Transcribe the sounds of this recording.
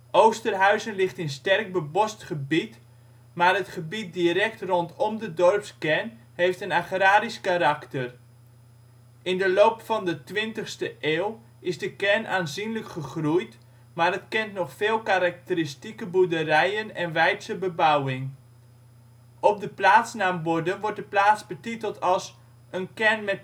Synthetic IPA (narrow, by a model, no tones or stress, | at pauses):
ʔowstərɦœɥzənlɪχtɪnstɛrk̚bəbɔstχəbit | maːrətχəbit̚diɾɛktrɔntʰɔmdədɔrpskɛn | hejftənaχraːɾiskaɾaktər | ɪndəloːpfɑndətʋɪntəχstəʔeːlˠ | ɪzdəkɛrnʔaːnzinləkχəχrujt | maːrətkɛntnɔχfeːlˠkaɾak̚təɾɪstikəbudərɛjənɛnʋɛjtsəbəbawɪŋ | ɔp̚dəplaːtsnaːmbɔdənʋɔɹt̚dəplaːtsbətitəlˠtɑlˠs | ʔənkɛrnmɛt